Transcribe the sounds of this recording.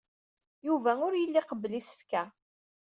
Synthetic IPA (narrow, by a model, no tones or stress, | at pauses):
juvæʊɾjəlːɪqəblisə̥fkæ